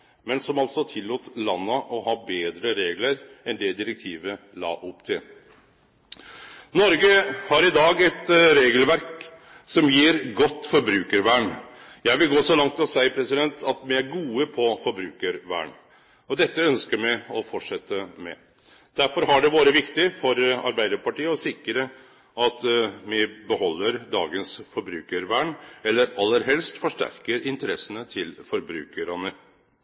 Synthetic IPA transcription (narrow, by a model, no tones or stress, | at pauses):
mɛnsɔmɑlt̪sɔt̪ʰɪlːuːt̪lɑnːəʔɔɦɑːbeːd̪ɾəɾeːɡləɾ | ɛnd̪ɛd̪ɪɾək̚t̪ʰiːʋəlɑ̰ːʔʊpːt̪ʰɪl | nɔɾɡəhɑɾɪd̪ɑːɡɛt̪ɾeːɡəlʋæɾk | sɔmjiːɾɡɔt̪ːfɔɾbɾʉːkəɾʋæːɳjæɪʋɪlɡoːsɔlɑŋt̪ɪɔsæɪpʰɾɛsɪd̪ɛnt̪ʰɑt̪mɪæɾɡuːəpʰɔfɔɾbɾʉːkəɾʋæ̰ːɳ | ɔd̪ɛt̪ːəœnskəɾmæɪɔfɔʈʂɛt̪ːəmɛ̰ | d̪̥æɾfɔɾɦɑɖɛʋoːɾəʋɪkt̪ɪfɔɾɑ̰ɾbæɪd̪əɾpɑʈiːəɔsɪkːɾə | ʔɑt̪mɪbəhɔlːəɾd̪ɑ̰ːɡənsfɔɾbɾʉːkəɾʋæːɳɛlːəɾɑlːəɾɦɛlst̪fɔʂʈæ̰ɾkəɾɪnt̪əɾɛsːənət̪ʰɪlfɔɾbɾʉ̰ːkəɾɑnə